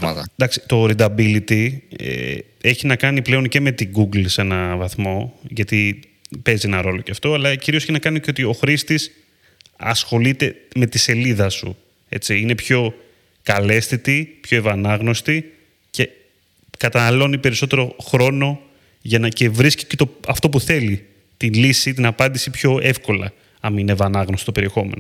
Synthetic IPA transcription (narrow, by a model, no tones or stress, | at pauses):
ɐnd̪ɐksi̥t̪o̞ɾid̪ɐbilit̪iḛ | eçinɐkɐniple̞o̞nce̞me̞t̪iɡuɡlsenɐvɐθmo̞ʝɐt̪i | pe̞zie̞nɐɾo̞lo̞ceɐft̪o̞ɐlɐciɾiosçinɐkɐniceot̪io̞xɾist̪is | ɐ̰sxo̞lit̪e̞me̞t̪ise̞liðɐsṵ | e̞̰t͡siine̞pço̞ | kɐle̞st̪it̪ipço̞e̞vɐnɐɣno̞st̪i | ce̞ | kɐt̪ɐnɐlo̞nipe̞ɾiso̞t̪e̞ɾo̞xɾo̞no̞ | ʝɐnɐce̞vɾisci̥cet̪oɐft̪o̞puθe̞li | t̪inlisit̪inɐpɐnd̪isipço̞e̞fko̞lɐ̰ | ɐminevɐnɐɣnost̪o̥t̪ope̞ɾie̞xo̞mḛno